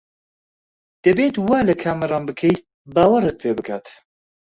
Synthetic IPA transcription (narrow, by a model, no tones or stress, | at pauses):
d̪̥ɐbeːt̪waːlɐkʰaːmɐɾɑːnbɨkʰejt̪̚ | baːwɐɾɨt̪̚pʰeːbɨkʰa̰ːt̪